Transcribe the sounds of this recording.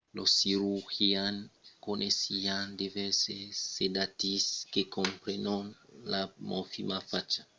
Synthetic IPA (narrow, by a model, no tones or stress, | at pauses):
losiɾuxiankonesiand̪eveɾsesed̪at̪iskekõmpɾenonlamofimafat͡ʃḁ